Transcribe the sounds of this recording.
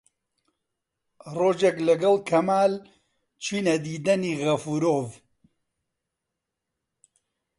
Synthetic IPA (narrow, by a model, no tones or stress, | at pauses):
roːd͡ʒeklɐɡɐlˠkʰɐmaːl | t͡ʃʰwiːnɐd̪iːd̪ɐniːɣɐfuɾoːv